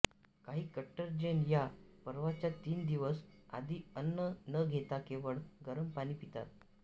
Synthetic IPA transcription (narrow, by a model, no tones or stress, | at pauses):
kaɦiːkəʈːəɾd͡ʑenjapəɾʋat͡ɕjat̪iːnd̪iʋəsa̰d̪ʱiːənːənəɡʱet̪akeʋəɭɡəɾəmpaɽ̃iːpit̪a̰t̪̚